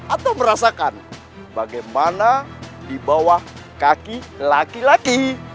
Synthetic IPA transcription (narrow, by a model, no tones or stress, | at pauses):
at̪awməɾasakan | baɡajmanadibawahkakilakilaɡi